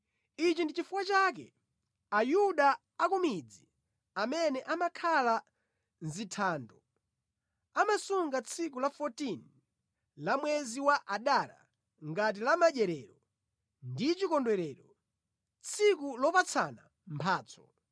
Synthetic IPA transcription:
it͡ʃindit͡ʃifukwat͡ʃak̬ɛ | ajuɗaː | kumid͡zi | amɛnɛʔamakʰala | nzitʰaːndɔ | amasuŋɡat͡sʰikulafɔtin | lamwɛziwaʔaɗaɾa̰ | ŋɡat̬ilamaʄɛɾɛːɾɔ | ndit͡ʃikɔndwɛɾɛːɾɔ | t͡sʰikulɔpat͡sʰa̰na | mpʰaːt͡sʰɔ̥

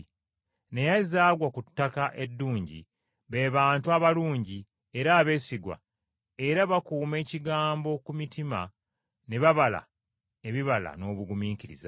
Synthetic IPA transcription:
ne̞jazaːɡwakutːakaʔe̞dːuːɲɟḭ | βe̞ːβaːntuaβaluːɲɟi | e̞ɾaːβe̞siɡwa̰ | e̞ɾaβakuːme̞ːciɡaːmbo̞kumitima̰ | ne̞βaβala̰ | e̞βiβala̰no̞ːβuɡumiːkiɾḭza

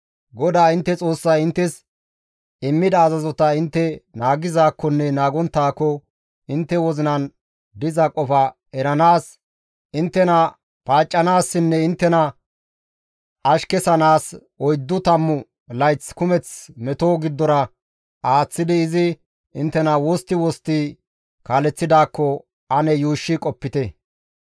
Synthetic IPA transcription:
ɡɔd̪aːɪnt̪ːɛt͡sʼo̞ːsːɐjɪnt̪ːɛs | ɪmːɪd̪ɐːzɐzɔt̪ɐɪnt̪ːɛnaːɡɪzaːkːɔnːɛnaːɡɔnt̪ːaːkːɔ | ɪnt̪ːɛwɔzɪnɐn | d̪ɪzɐkʼɔfɐ | ɛɾɐnaːs | ɪnt̪ːɛnɐ | paːt͡ʃʼːɐnaːsːɪnːɛɪnt̪ːɛnɐ | ɐʃkɛsɐnaːs | ɔjd̪ːʊt̪ɐmːʊ | lɐjt͡skʊmɛt͡smɛt̪oːɡɪd̪ːɔɾɐ | ʔaːt͡sːɪd̪ɪːzɪ | ʔɪnt̪ːɛnɐwɔst̪ːɪwɔst̪ɪ | kaːlɛt͡sːɪd̪aːkːɔ | ʔɐnɛjuːʃːɪkʼɔpːɪt̪ɛ

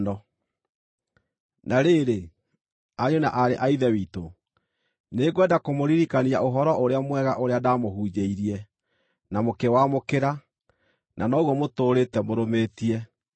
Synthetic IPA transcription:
dɔ | nʔaɾeːɾe | aɲonaʔaɾeʔaiðɛwiːto | neɡwɛdakomoɾiɾikaniaʔoɦɔɾɔʔoɾeamwɛɣaʔoɾeadaːmoɦuːd͡ʒeiɾiɛ | namokewamokeɾa | nʔanɔːɣwɔmotoːɾetɛmoɾomeːtiɛ

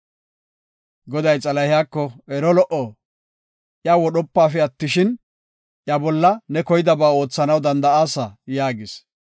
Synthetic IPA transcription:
ɡɔd̪ɐjt͡sʼɐlɐhɪjaːkːɔɛɾɔlɔʔɔ | ʔjawɔɗɔpːaːfɛɐt̪ːɪʃɪn | ʔjɐbɔlːɐnɛkɔjɪd̪ɐbaːo̞ːt͡sːɐnɐwd̪ɐnd̪ɐaːsɐjaːɡɪs

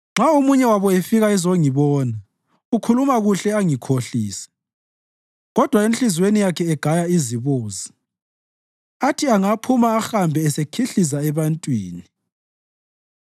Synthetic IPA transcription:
ŋ͡ǁaomuɲɛwaβɔefiɣaizoŋiβɔːna | ɣukʰulumaɣuɬɛaŋikʰoɬiːsɛ̥ | ɣɔd̥ʱwaent͡ɬɬizwenijakʰɛɛɡ̥ʱajaiziβoːzi | atʰiaŋapʰumaːxambʱɛːsekʰiɬis̬aɛβantʼwiːni

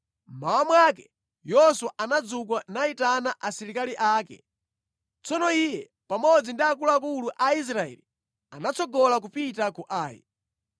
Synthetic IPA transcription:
m̩mawamwak̬ɛ | jɔswaʔanad͡zuk̬wanaitanaʔasiɾikaliʔaːkɛ̰ | t͡sɔnɔijɛ | pamɔd͡zindiak̬uluak̬uluʔais̬ɾaɛ̰li | anat͡sɔɡɔlak̬upitakuʔaːjḭ

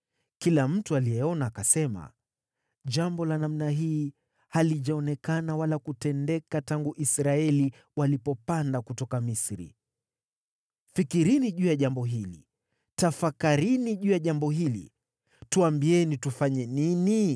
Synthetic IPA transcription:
kilam̩tualijɛɔnaːkasɛma̰ | ʄambɔlanam̩naɦiː | haliʄaɔnɛkanawalakutɛndɛkataŋɡuʔisɾaɛli | walipɔpandakutɔkamisɾḭ | fikiɾiniʄujaʄambɔɦilḭ | tafakaɾiniʄujaʄambɔɦilḭ | tuambiɛnitufaɲɛnini

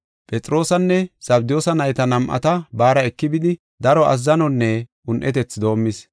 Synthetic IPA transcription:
pʼɛt͡sʼɾo̞ːsɐnːɛsɐbd̪ɪjo̞ːsɐnɐjt̪ɐnɐmʔɐ̰t̪ɐbaːɾɐɛkːɪbɪd̪ɪ | d̪ɐɾɔʔɐ̰zːɐnɔnːɛʔʊnʔɛt̪ɛt͡sːd̪o̞ːmːɪs

